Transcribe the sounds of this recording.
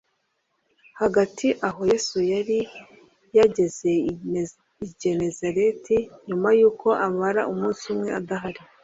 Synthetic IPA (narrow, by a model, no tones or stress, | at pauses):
haɡatʰiʔaɦo̞jeːsujaɾi | jaɟe̞ze̞ | iɟe̞ne̞zaɾetiɲumajuːkʰo̞ʔamaɾa̰ʔumuːnsumŋe̞adaɦaɾi